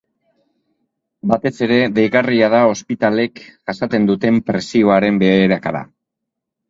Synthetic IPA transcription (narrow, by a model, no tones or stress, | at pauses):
bat̪e̞se̞ɾe̞ðe̞jɣariað̞ao̞spit̪ale̞kʝ̥asat̪e̞nd̪ut̪e̞mpɾe̞sio̞aɾe̞mbe̞eɾakaða̰